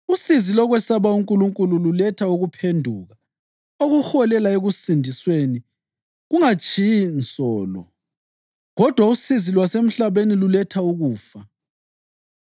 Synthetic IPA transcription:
usizilɔɣwɛsaβauŋkʼuluŋkʼulululɛtʰauɣupʰendʱuɣa | oɣuxɔlɛlaeɣusindʱisweni | ɣuŋat͡ʃʰʼijint͡sʼɔːlɔ̰ | ɣɔd̥ʱwausizilwasem̩ɬaβenilulɛtʰauɣuːfa

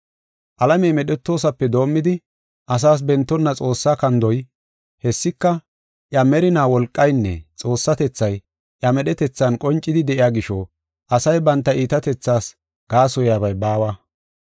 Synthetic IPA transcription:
ʔɐlɐmɛjmɛɗɛt̪ːo̞ːsɐpːɛd̪o̞ːmːɪd̪ɪ | ʔɐs̬aːs̬bɛnt̪ːɔnːɐt͡sʼo̞ːsːaːkɐnd̪ɔj | hɛsːɪkːɐ | ʔjɐmɛɾɪnaːwɔlkʼːɐjnːɛ̰t͡sʼo̞ːsːɐt̪ɛt͡sːɐj | ʔjɐmɛɗɛt̪ɛt͡sːɐnkʼɔnt͡ʃʼːɪd̪ɪd̪ɛʔɪjaːɡɪʃɔ | ʔɐsɐjbɐnt̪ːɐʔiːt̪ɐt̪ɛt͡sːaːs | ɡ̥aːsɔjaːbɐjbaːwɐ

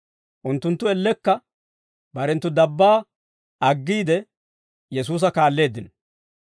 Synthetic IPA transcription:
ʔʊnt̪ːʊnt̪ːʊɛlːɛkːɐ | bɐɾɛnt̪ːʊd̪ɐbːaː | ɐɡːiːd̪ɛ | jɛs̬uːs̬ɐkaːlːe̞ːd̪ɪn

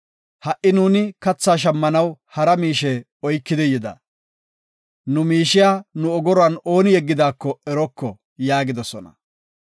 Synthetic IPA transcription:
hɐʔɪnuːnɪkɐt͡sːaːʃ̬ɐmːɐnɐwhɐɾɐmiːʃɛ | ɔjkːɪd̪ɪjɪd̪ɐ̰ | nʊmiːʃɪjaːnʊɔɡɔɾɔɐno̞ːnɪjɛɡːɪd̪aːkːɔɛɾɔkːɔ | jaːɡɪd̪ɔsɔnɐ̰

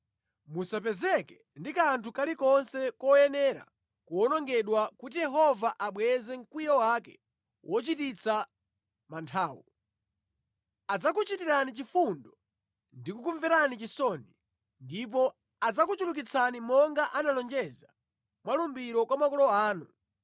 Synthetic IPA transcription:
musapɛzɛkɛ̥ | ndikantʰukalikɔnsɛkɔjɛnɛɾa̰ | kuɔnɔŋɡɛɗwakutijɛɦɔvaʔaɓwɛzɛŋ̩kwijɔwakɛ | wʔɔt͡ʃitit͡sʰa | mantʰaːwu | ad͡zakut͡ʃitiɾanit͡ʃifundɔ | ndikukuɱvɛɾanit͡ʃisɔni | ndip̬ɔ | ad͡zakut͡ʃuluk̬it͡sʰanimɔŋɡaʔanalɔnd͡ʒɛza | mwalumbiɾɔkwamakɔlɔaːnu

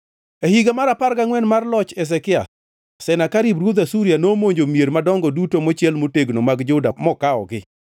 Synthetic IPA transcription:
ehiɡamaɾaparɡaŋwɛnmarlɔt͡ʃɛs̬ɛkɪa̰ | sɛnakaɾibɾwod̪asuɾjanomoɲd͡ʒomjeɾmadɔŋɡɔdutomot͡ʃjɛlmoteɡnomaɡd͡ʒʊdamɔkaɔ̰ɡɪ

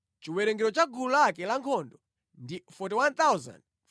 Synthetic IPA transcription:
t͡ʃiwɛɾɛŋɡɛɾɔt͡ʃaɡulakɛlaŋkʰɔndɔ | ndifɔtiwant̪awza̰nd

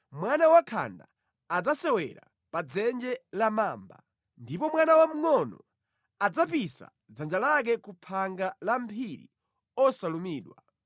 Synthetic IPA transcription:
mwanawakʰa̰nda | ad͡zasɛwɛ̰ɾa̰ | pad͡zɛnd͡ʒɛlamaːmba̰ | ndipɔmwanawam̩ŋɔnɔ | ad͡zapisa̰ | d͡zand͡ʒalak̬ɛkupʰaŋɡalam̩pʰiɾḭ | ɔsalumiːɗwa

